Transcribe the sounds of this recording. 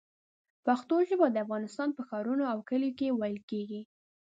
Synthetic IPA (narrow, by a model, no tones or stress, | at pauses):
paxt̪oʒəbad̪əafɣɑnɪst̪ɑnpəxɑɾunoawkəljokewɑjlkeɡi